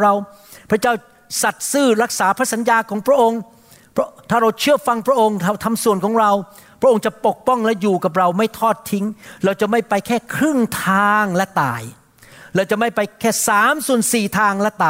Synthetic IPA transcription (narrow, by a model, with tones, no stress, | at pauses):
ɾa˧w | pʰɾa˦˥t͡ɕaː˥˩w | sa˨˩t̪̚sɯː˥˩ɾa˦˥˩k̚saː˩˦pʰɾa˦˥sa˩˦njaː˧kʰɔː˩˦ŋpʰɾa˥ʔo˧ŋ | pʰt̪ʰaː˥˩ɾa˧wt͡ɕʰɯ˥˩əfa˧ŋpʰɾa˦˥ʔo˧ŋt̪a˧t̪ʰa˧msu˨˩ənkʰɔː˩˦ŋɾa˧w | pʰɾa˥ʔo˧ŋt͡ɕa˨˩po˨˩k̚pɔ˥˩ŋlɛ˦˥juː˨˩ka˨˩p̬̚ɾa˧wma˥˩jt̪ʰɔː˥˩t̪ʰːi˦˥ŋɾa˧˩wt͡ɕa˨˩ma˥˩jpa˧jkʰɛː˥˩kʰɾɯ˥˩ŋt̪ʰaː˧ŋlɛ˦˥t̪a̰ː˨˩j | ɾɛː˧wt͡ɕa˨˩ma˥˩jpa˧jkʰɛː˥˩saː˨˩˦msu˨˩ənsiː˨˩t̪ʰaː˧ŋlɛ˦˥t̪aː˨